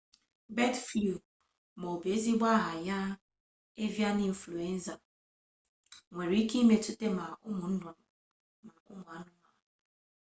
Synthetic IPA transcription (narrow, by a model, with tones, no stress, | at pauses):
be˦tfu˨ | mo˨be˨˦zi˦ɡ͡ba˦ɦa˨ja˦ | e˦vja˦ni˦ɱ̩˨flu˨e˦n̩˦za˨ | ŋʷe˨ɾi˦ki˦me˨tu˦te˦ma˨ʔʊ˦mʊ˨n̩˦dʊ˨ | ma˨ʊ˦mʊ˨a˨nʊ˦ma˨